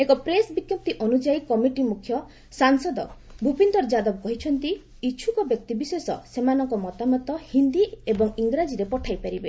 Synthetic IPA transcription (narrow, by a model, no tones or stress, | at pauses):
ekɔpɾesbikjɔp̚t̪iʔɔnud͡ʒaikɔmiʈimukʰjɔ | saŋsɔd̪ɔ | bʱupend̪ɔɾd͡ʒad̪ɔbɔkɔɦit͡ʃʰɔnt̪i | it͡ʃʰukɔbjɔk̚t̪ibisesɔ̰semanɔŋkɔmɔt̪amɔt̪ɔhind̪iebɔŋiŋɡɾad͡ʒiɾepɔʈʰajpaɾibe